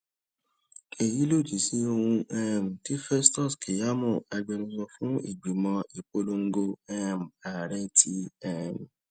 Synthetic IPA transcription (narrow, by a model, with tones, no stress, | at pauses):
e˨ji˨˦lo˦˨d͡ʒi˨˦si˨˦o˧ũ˧ɛ˦˨m̩˨ti˦fɛ˦stɔ˦˨skʰi˨ja˦mɔ̃˦˨a˧ɡ͡be˧nĩ˧sɔ˧fũ˦ḭ˦˨ɡ͡bi˨˦mɔ̃˧i˨k͡po˧lo˧ŋ̩˦ɡo˧ɛ˦˨m˨a˨ɾɛ˦tʰi˦ɛ˦˨m˨